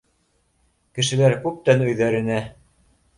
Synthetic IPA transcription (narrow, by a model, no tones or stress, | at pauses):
kɘ̆ʃɘ̆læɾkʉp̚t̪ænɵ̆jðæɾɘ̆næ